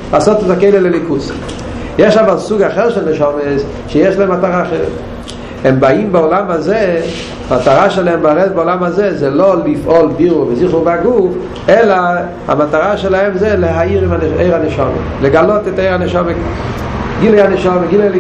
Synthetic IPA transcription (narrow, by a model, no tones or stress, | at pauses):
laːsotetakejlelelikus | jeʃavalsuɡaχeʁʃelnəʃomes | ʃɛjeʃlaɛmataʁaːχeʁɛ̰t | ɛmbaimbaolamaze | mataʁaʃelaɛmbaʁɛtbaolamazezɛlolifʔolbiʁuʁvəziχuʁbeaɡuf | ɛla | a̰mataʁaʃɛlahɛmzɛleɦaiʁimanejʁhanəʃomḛleɡalotɛtejʁanəʃame | ɡilejhanəʃomeɡilejl